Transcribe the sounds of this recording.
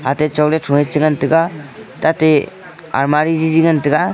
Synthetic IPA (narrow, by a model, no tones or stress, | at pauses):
atet͡ʃɔɡletʰuŋet͡ʃiŋantɯɡatate | a̰ɾmaɾid͡ʒiziɡantɯɡa